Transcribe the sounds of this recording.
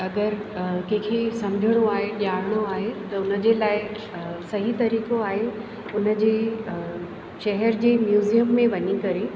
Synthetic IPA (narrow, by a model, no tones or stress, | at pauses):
ɐɡəɾkɐ̃ɦkʰesɐmd͡ʑʱɪɽ̃oaːɦeʄaːɽɽ̃oaːɦet̪ɐʊnə̆d͡ʑelaːɪ | sɐɦit̪ɐɾiːkoaːɦe | ʊnə̆d͡ʑeː | ʃɐɦəɾd͡ʑeːmjuːzijəmːẽʋɐɲikɐɾe